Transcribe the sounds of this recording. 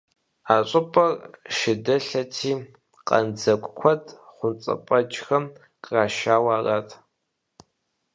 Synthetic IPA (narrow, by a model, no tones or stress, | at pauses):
aːɕʷʼɪpʼɐrʃɪdɐɬɐtʰiː | qʼɐ̰nd͡zɐkʷʼkʷʰɔdχʷʊnt͡sʼɐ̰pʼɐd͡ʒxɐm | qʼraːʃaːwaːraːtʰ